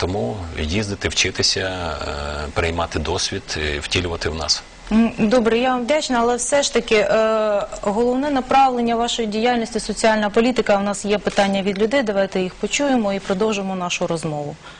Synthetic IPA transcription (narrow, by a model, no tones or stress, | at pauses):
t̪ɔmujizd̪ɪt̪ɪwt͡ʃɪt̪ɪsʲɐ | peɾɪjmɑt̪ɪd̪ɔsʲʋʲid̪wtʲilʲʊʋɐt̪ɪwnɑ̰s̩ | d̪ɔbɾɛjaʋɐmʋdʲɑt͡ʃnɐɐlˠɛwsɛʃt̪ɐkɪʔ | ɦɔlˠɔwnɛnɐpɾɑʋlˠenʲːɐʋɑʃɔjidʲijɑlʲnʲisʲtʲisɔt͡sʲiɑlʲnɐpɔlʲit̪ɪkɐwnɑsjɛpɪt̪ɑnʲːɐʋʲid̪lʲʊd̪ɪd̪ɐʋɑjt̪ɛjixpɔt͡ʃujemɔipɾɔd̪ɔwʒemɔnɑʃʊɾɔzmɔʋʊ